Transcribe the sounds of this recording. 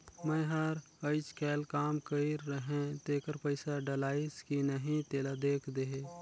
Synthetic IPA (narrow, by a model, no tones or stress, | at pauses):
mẽɦəɾ | əɪt͡ʃkɛːlkaːmkəiɾːəɦẽt̪eːkəɾpəɪsaɖəlaːɪskinəɦĩt̪eːlad̪eːkʰd̪eɦe